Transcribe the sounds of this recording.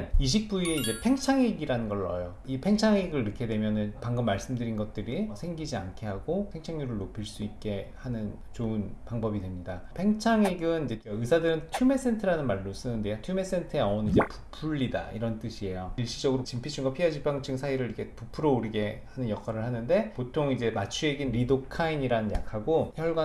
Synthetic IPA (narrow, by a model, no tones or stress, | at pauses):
niɕ̬ʰik̚p͈uie̞id͡ʑe̞pʰeŋt͡ɕʰaŋeɡiɾanɯnɡʌɭːʌ̰jo | ipʰe̞ŋt͡ɕʰaŋeɡɯɭiɾɯkʰe̞dwe̞mjʌnɯnpaŋɡɯmːaɭs͈ɯmdɯɾinɡʌt̚t͈ɯɾisʰeŋɡid͡ʑia̰nkʰe̞ɦaɡopʰe̞ŋt͡ɕʰaŋɲuɾɯɭːopʰiɭs͈uit̚k͈e̞hanɯn | t͡ɕoɯnpaŋbʌbidwe̞mɲidapʰe̞ŋt͡ɕʰaŋeɡɯnid͡ʑeɡaɯsʰadɯɾɯntʰjume̞s͈e̞ntʰɯɾanɯnmaɾːos͈ɯnɯnde̞jotʰjume̞s͈e̞ntʰɯeʌonid͡ʑe̞pu̥pʰuɭːida̰ḭɾʌnt͈ɯɕʰie̞joiɭɕ͈id͡ʑʌɡɯɾot͡ɕimpʰit͡ɕʰuŋɡʌpʰiad͡ʑipʰaŋt͡ɕʰɯŋsʰaiɾɯɾikʰe̞pupʰɯɾouɾiɡe̞hanɯnjʌkʰaɾɯɭhanɯnde̞potʰoŋid͡ʑe̞mat͡ɕʰueɡinɾidokʰaiɲiɾanɯnja̰kʰaɡoçjʌɭɡwa